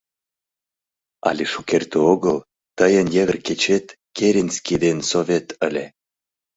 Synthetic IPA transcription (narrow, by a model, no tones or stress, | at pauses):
a̰lʲeʃukert̪øoɡəl | t̪əjənjeɣərket͡ɕet̪ | keɾʲinskʲid̪ensovʲet̪ʰəlʲe